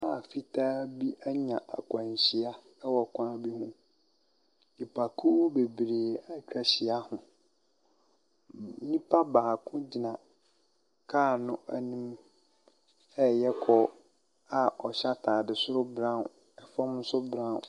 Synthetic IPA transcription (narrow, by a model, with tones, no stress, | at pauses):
a˦˨fi˦tʰaː˦bi˦ʔæ˦ɲã˨ʔa̰˨kʰʷã˨ɲ˨ɕi˨a˦ | wɔ˨kʰʷã˦a˦bi˦hũ˦ | i˨pʰa˨kʰu˦be˨bɾe˨a˦kᶣʰa˨ɕi˨a˦hʊ̃˨˦ | nĩ˦pʰa˦baː˨kʰʊ̃˦d͡ʑi˨nã˨ | kʰaː˦˨nʊ̃˦æ˦nĩ˦m | ɛ˦jɛ˦kʰɔ˨ | a˨ɔ˨ɕa˦tʰaː˨dɪ˨sʊ˦ɾʊ˦bɾã˦˨n | ɛ˦fɔ̃˦mn̩˦sʊ˦bɾã˦˨n